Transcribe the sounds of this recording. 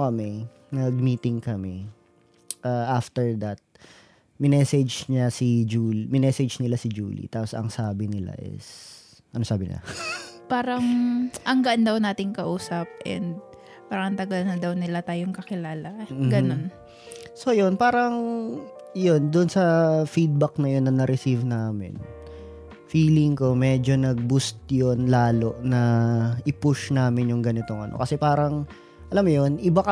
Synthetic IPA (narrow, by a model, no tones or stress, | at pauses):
ɐmɛ | nɐɡ̚miːt̪ɪŋkɐmɛ | ʔaːʔaft̪ɛɹd̪ɐt̪̚ | mɪnɛːsɛd͡ʒɲɐsid͡ʒuːlmɪnɛsɛd͡ʒnɪlasɪd͡ʒṵːlḭt̪aːposɐ̰ŋsaːbɪnɪla̰ʔɛ̰s | ʔɐnosaːbɪnɪ̰la̰paːɾɐŋʔɐŋɡɐʔand̪ɐwnaːt̪ɪŋkɐʔuːsɐp̚ʔɛ̰nd̪̚ | paːɾɐŋɐnt̪ɐɡɐlnɐd̪ɐwnɪlat̪aːjoŋkɐkɪlaːlɐɡɐno̞n | so̞jonpaːɾɐŋ | jond̪ʊnsɐfid̪̚bɐk̚nɐjo̞nːɐnɐɾɪsivnaːmɪ̰n | fiːlɪŋko̞mɛd͡ʒo̞nɐɡ̚bust̪̚jonlaːlo̞ʔnɐʔɪpʊʃnaːmɪnjʊŋɡɐnɪt̪o̞ŋʔɐ̰no̰kɐsɛpaːɾɐŋ | ʔɐlamːojonʔɪbakɐ